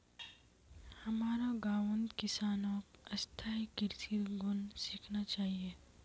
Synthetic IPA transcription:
hɐmaːɾaɡaːʋə̃nd̪kɪsaːnõːkɐst̪ʰaikɪɾsiɾɡʊnsɪkʰnat͡ʃaːɦieː

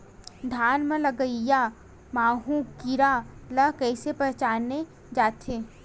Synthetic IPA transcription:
d̪ʱaːnmẽlɐɡəija | maːɦũkiɾalɐɦkɛːsepət͡ʃaːne | d͡ʒaːt̪ʰeː

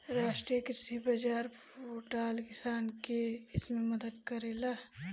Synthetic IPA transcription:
ɾaːʃʈɾijəkɾɪsibɐd͡ʒaːɾ | oːʈaːlkɪsaːnkeɪsmẽmɐd̪əd̪kɐɾeːlaː

